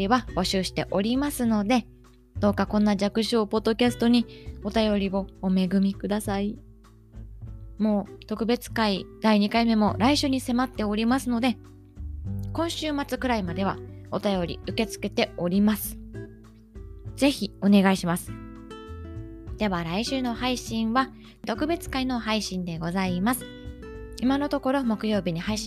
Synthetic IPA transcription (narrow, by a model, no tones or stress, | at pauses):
iβab̥o̞ɕɨːɕi̥t̪e̞ʔo̞ɾʲimasɨno̞d̪e̞ | d̪̥o̞ːkakõ̞nːaʑakɯ̟ɕoːpo̞d̪ːo̞kʲasɨ̥t̪o̞ɲ̟io̞t̪ajo̞ɾʲibo̞ːme̞ɡɯ̟mʲikɯ̟d̪asai | mo̞ːt̪o̞kɯ̟be̞t͡sɨ̥kaid̪̥aiɲ̟ikaime̞mo̞ɾaiɕɨːɲ̟ise̞mat̪ːe̞o̞ɾʲimasɨno̞d̪e̞ | kõ̞ɰ̃ɕɨːmat͡sɨkɯ̟ɾaimad̪e̞β̞a̰o̞t̪ajo̞ɾʲḭɯ̟ke̞t͡sɨ̥ke̞t̪e̞o̞ɾʲimasɨ̥ | z̥e̞çʲio̞ne̞ɡaiɕimasɨ̥ | d̪̥e̞βaɾaiɕɨːno̞haiɕĩɰ̃βa | t̪o̞kɯ̟be̞t͡sɨ̥kaino̞ɦaiɕĩnd̪e̞ɡo̞zaimasɨ̥ | imano̞t̪o̞ko̞ɾo̞mo̞kɯjo̞ːbʲiɲ̟ihaiɕ